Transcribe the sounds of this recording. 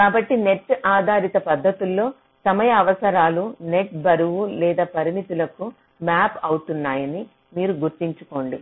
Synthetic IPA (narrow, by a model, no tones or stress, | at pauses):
kaːbɐʈːine̞ʈːaːd̪ʱaːɾit̪ɐpɐd̪ʱːɐt̪ulːo̞ː | sɐmɐjɐːʋɐsɐɾaːlune̞ʈ̚bɐɾuʋulɛːd̪aːpɐɾinit̪ulɐku | maːpɐwut̪unːaːjɐni | miːɾuɡuɾt̪iɲt͡ʃu̥ko̞ːɳɖi